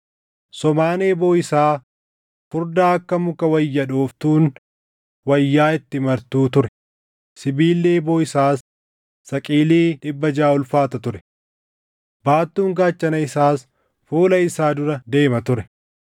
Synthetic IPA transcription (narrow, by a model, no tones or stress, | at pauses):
sɔmaːneːbo̞ːɪsaː | kʊɾd̪aːɐkːɐmʊkɐwɐjːɐᶑoːft̪uːn | wɐjːaːɪt̪ːɪmɐɾt̪uːt̪ʊɾɛ | sɪbiːlːeːboːɪsaːsː | ɐkʼiːliːᶑɪbːɐd͡ʒaːʊlfaːt̪ɐt̪ʊɾɛ̥ | baːt̪ːuːŋɡaːt͡ʃːɐnɐɪsaːs | fuːlɐɪsaːd̪ʊɾɐd̪e̞ːmɐt̪ʊɾɛ